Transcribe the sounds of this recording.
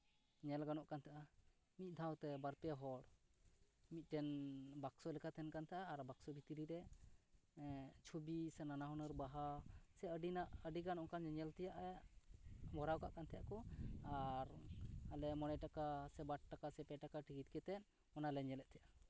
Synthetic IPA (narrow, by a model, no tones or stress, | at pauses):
ɲɛlɡanɔʔkant̪ʰaʔa | mit̪̚ˀd̪ʱawt̪ɛbaɾpɛɦɔɽ | mit̪̚ˀʈɛnbaksɔlɛkʰat̪ʰɛnkant̪ʰɛʔaːɾbaksɔbʱit̪iɾiɾɛ | t͡ʃʰobisɛnanaɦɔnəɾbaɦasɛəɖinaʔəɖiɡanɔʔkanɲɛɲɛlt̪ɛjaʔɛ | mɔɾawkaʔkant̪ʰɛjaʔkɔaɾalɛmɔnɛʈakasɛbaʈ̚ʈakasɛpɛʈakaʈikit̪̚kɛt̪ɛt̪̚ | ɔnalɛɲɛlɛʔ̪̚t̪ʰɛja